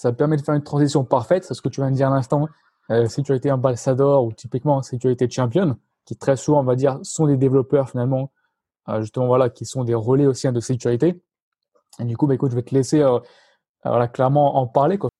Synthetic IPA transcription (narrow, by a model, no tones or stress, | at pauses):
saəpɛʁmɛd̪əfɛʁynt̪χɑ̃zisjɔ̃paʁfɛt̪sɛsə̥kət̪yvjɛ̃nd̪iʁlɛ̃st̪ɑ̃ | øsekʲyʁit̪eɑ̃balsad̪ɔʁut̪ipikmɑ̃sek̬ʲyʁit̪ed̪ʃɑ̃pjɔn | kʲit̪χɛsuvɑ̃ɔ̃vad̪iʁsɔ̃d̪ed̪evlɔpœʁfinalmɑ̃ | ø̰ʒyst̪əmɑ̃vwalakʲisɔ̃d̪eʁɔleosiɛ̃d̪əsekʲyʁit̪e | ed̪ykubaekut̪ʒəvat̪əleseø̰ | vwa̰laklɛʁmɑ̃ʔɑ̃paʁlekwa